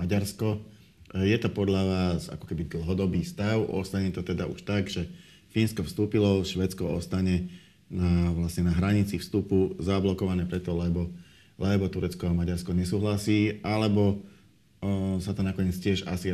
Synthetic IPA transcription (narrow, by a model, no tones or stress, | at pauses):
aɟaɾskɔ | jɛt̪ɔpɔd̪ʎaʋaːza̰kɔ̥kɛbid̪l̩ˠɦɔd̪ɔbiːst̪aʊɔ̰st̪aɲɛt̪ɔt̪ɛd̪aʔṵʃt̪aɡʒɛ | finskɔfst̪uːpilɔʃʋɛt͡skɔɔst̪aɲɛ | naʋlasɲɛnaɦɾaɲit͡sifst̪upuzablɔkɔʋanɛːpɾɛt̪ɔlɛbɔ | lɛbɔt̪uɾɛt͡skɔamaɟaɾskɔɲɛsuːɦlasiːalɛbɔ | sat̪ɔnakɔɲɪɛt͡scɪɛʒasi